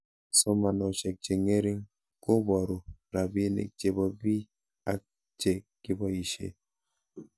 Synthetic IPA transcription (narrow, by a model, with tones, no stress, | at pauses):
sɔ˦ma˨nɔ˨ʃɛ˨k̚t͡ʃe˨ŋe˦ɾi˦ŋ | ko˦bɔ˨ɾo˨ɾa˨bi˦e˦nḛ˨k̚d͡ʒe˨bɔ˨bi˦ | a˨˦k̚ | t͡ʃe˨ki˦bɔ˨i˨ʃḛ˨